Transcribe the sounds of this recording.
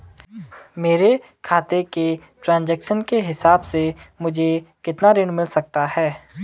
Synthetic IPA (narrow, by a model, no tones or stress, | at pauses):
meːɾe | kʰaːt̪eke | ʈɾãːnd͡ʒɛːkʃənkeɦɪsaːbsemʊd͡ʒʱekɪt̪naɾɪ̃nmɪlsɐk̚t̪aɦɛː